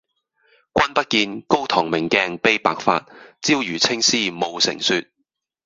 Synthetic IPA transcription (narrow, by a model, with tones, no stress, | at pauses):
kʷɐ˥npɐ˥t̚kiː˧nko˥wt̪ʰɔː˨˩ŋmɪ˨˩ŋkɛː˧ŋpe˥jpa̰ː˨k̚fa̰ː˧t̚t͡siː˥wjyː˨˩t͡sʰɪ˥ŋsiː˥mo˨˧wsɪ̰˨˩ŋsyː˧t̚